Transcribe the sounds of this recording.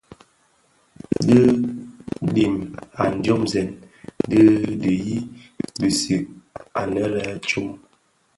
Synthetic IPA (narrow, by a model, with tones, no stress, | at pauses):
də˦ | ɗi˨ma˨n̩˨d͡ʒo˦mzɛ˨n | də˦də˨ji˦bi˨si˨k̚a̰˨nə˦lɛ˦t͡ʃu˦m